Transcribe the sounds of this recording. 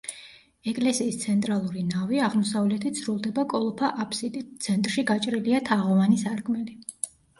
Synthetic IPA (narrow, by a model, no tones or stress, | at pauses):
ɛkʼlɛsiːst̪sʰɛnt̪ʼɾalˠuɾinaviaʁmɔsavlɛt̪ʰit̪sʰɾulˠd̪ɛbakʼɔlˠɔpʰaʔapʰsid̪it̪sʰɛnt̪ʼɾʃiɡat͡ʃʼɾiliat̪ʰaʁɔvanisaɾkʰʼmɛli